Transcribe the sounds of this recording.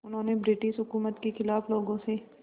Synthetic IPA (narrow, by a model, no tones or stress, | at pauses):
ʊnɦõːnebɾɪʈɪʃɦʊkuːmət̪kixɪlaːfloːɡõse